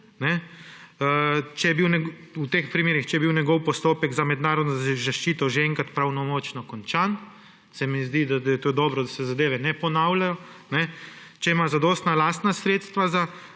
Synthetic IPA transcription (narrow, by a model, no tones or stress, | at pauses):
nɛ | t͡ʃɛjɛbiwnʲɛut̪eːxpɾimeːɾixt͡ʃɛjɛbiwnʲɛɡɔwpɔst̪oːpɛɡzamɛd̪naːɾɔd̪nɔzaʃt͡ʃiːt̪ɔʒeɛŋkat̪pɾawnɔmɔːt͡ʃnɔkɔnt͡ʃan | sɛmizd̪id̪ad̪jɛt̪od̪ɔːbɾɔd̪asɛzad̪eːʋɛnɛpɔnawlajɔ | nɛt͡ʃɛimazad̪ɔːst̪nalast̪nasɾeːt̪st̪ʋaza